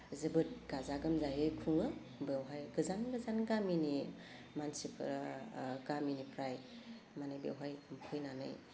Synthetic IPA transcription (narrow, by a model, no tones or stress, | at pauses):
zɯbɯt̚ɡ̥azaɡɯmzajɯjkʰuŋɯ | bewɦajɡɯzanɡɯzanɡamini | mansipʰɾɡaminipʰɾaj | manɯjbḛwɦajmpʰɯjnanɯ̰j